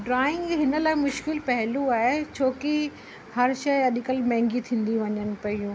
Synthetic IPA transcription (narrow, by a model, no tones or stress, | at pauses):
ɖɾaːɪ̃ŋɡɦɪnə̆laːɪmʊʃkɪlpɐɦɪluaːɦet͡ɕʰoːki | hɐɾʃɐjɐɗɪkəlmɛ̃ːŋɡit̪ʰĩːn̆d̪iʋɐɲənɪ̆pɐijũː